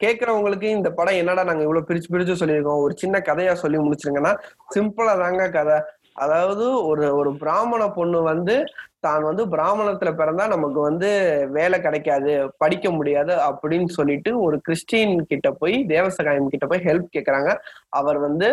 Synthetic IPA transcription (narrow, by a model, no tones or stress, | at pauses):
keːʈ̚kɐɾɐʋʊŋɡɐɭɯk̬ːɯɪnd̪ɐpɐɽɐ̃ɛnːaːɽanaːŋɡɐɪʋːɐɭoːpɪɾɪt͡ʃːɯp̬ɪɾɪd͡ʒõsɔlːɪɾɯk̬ːõɔɾɯt͡ʃɪnːɐkɐðɐjaːsɔlːimʊɽɪt͡ʃːɪɾɯŋɡɐnːaːsɪmpɯlaːt̪aːŋɡɐkɐðɛ | ʔɐ̰ðaːʋɐðɯɔɾɯɔɾɯbɪɾaːmɐɳɐpɔɳːɯʋɐnd̪ɯt̪aːnʋɐnd̪ɯbɪɾaːmɐɳɐt̪ːɪlɐpɛɾɐnd̪aːnɐmɐkːɯʋɐnd̪ɯʋeːlɛkɪɽɐkːaːðɯpɐɽɪkːɐmʊɽɪjaːðɯɐpːɐɽɪnːɯsɔlːɪʈːɯɔɾɯkɪɾɪʂʈiːnkɪʈːɐpoːjd̪eːʋɐsɐɣaːjɐmkɪʈːɐpːoːjɦɛlp̚keːʈkɐɾaːŋɡɐʔɐʋɐɾʋɐnd̪ɯ